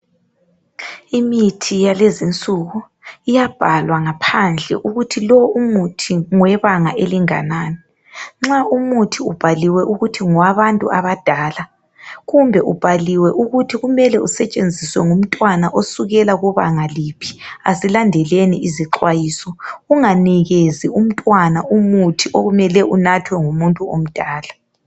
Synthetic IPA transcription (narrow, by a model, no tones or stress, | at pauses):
imitʰijalezint͡sʼuɣu | ijab̥ʱalwaŋapʰand͡ɮʱɛ̰ʔuɣutʰilɔumutʰiŋwɛβaŋaʔeliŋa̰naːni | ŋ͡ǁaʔumutʰiub̥ʱaliwɛʔuɣutʰiŋwaβantʼṵʔaβad̥ʱaːla | ɣumbʱɛʔub̥ʱaliwɛʔuɣutʰiɣumɛlɛusɛt͡ʃʼend͡zʱiswɛŋum̩tʼwanaʔosuɣɛlaɣuβa̰ŋalipʰi̥asilandʱɛlenḭʔiziǁwajiːsɔuŋaniɣezium̩tʼwanaʔumutʰiʔoɣumɛlɛʔunatʰwɛŋumuntʼuo̰m̩d̥ʱaːla